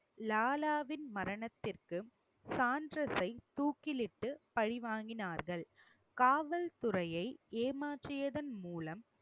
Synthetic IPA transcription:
laːlaːʋɪnmɐɾɐɳɐt̪ːɪrkɯ | saːndrɐsɐɪt̪uːkːɪlɪʈːɯpɐɻɪʋaːŋɡɪnaːɾɣɐɭ | kaːʋɐlt̪ʊrɐjɐɪeːmaːʈrɪjɐðɐnmuːlɐm

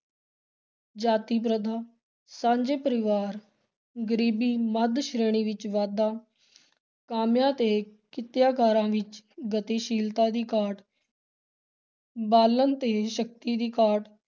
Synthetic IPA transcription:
d͡ʒaːt̪iːp̬ɾəd̪ʱaː | sãːɲd͡ʒeːpəɾɪʋaːɾ | ɡəɾiːbiːməd̪ʃɾeːɽ̃iːʋɪt͡ʃʋaːd̪aː | kaːmjãːt̪eːkɪt̪jaːkaːɾãːʋɪt͡ʃɡət̪iːʃiːlt̪ãːd̪iːkaːʈ | baːlənt̪eːʃək̚t̪iːd̪iːkaːʈ

